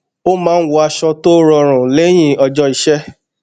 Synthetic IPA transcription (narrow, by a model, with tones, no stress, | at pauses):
o˦mãː˦˧n̩˦wo˧a˧ʃɔ˧to˦ɾɔ˧ɾ̃ũ˨le˨˦j̃ĩ˦˨ɔ˧d͡ʒɔ˧i˨ʃɛ˦